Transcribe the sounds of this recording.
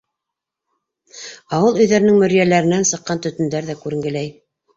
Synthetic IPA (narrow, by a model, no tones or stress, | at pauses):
ɑwɤlˠɵ̆jðæɾɘ̆nɘŋmɵ̆ɾjælæɾɘ̆nænsɤ̆qːɑnt̪ɵ̆t̪ɵ̆nd̪æɾðækʉɾɘ̆ŋɡɘ̆læj